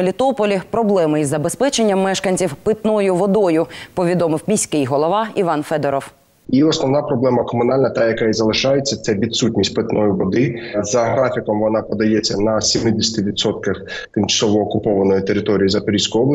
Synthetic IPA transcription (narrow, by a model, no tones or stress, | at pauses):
lʲit̪ɔpɔlʲipɾɔblˠɛmɪizːɐbespɛt͡ʃenʲːɐmːɛʃkɐnʲt͡sʲiwpɪt̪nɔjʊʋɔd̪ɔjʊpɔʋʲid̪ɔmɪwmʲisʲkɪjɦɔlˠɔʋɑiʋɑnfɛd̪ɛɾɔw | iɔsnɔʋnɑpɾɔblˠɛmɐkɔmʊn̪ɑlʲnɐt̪ɑjɐkɑizɐlˠɪʃɑjet͡sʲːɐt̪sɛʋʲid̪sutʲnʲisʲt̚ʲpet̪nɔjʊʋɔd̪ɪzɐɦɾɑfʲikɔmʋɔnɑpɔd̪ɐjet͡sʲːɐnɐsʲimɪd̪ʲɪsʲɐ̥t̪ɪʋʲid̪sɔt̪̚kɐxt̪ɪmt͡ʃɐ̥sɔʋɔːkʊpɔʋɐnɔjit̪eɾɪt̪ɔɾʲijizɐp̪ʊɾʲisʲkʊjɔblˠɐ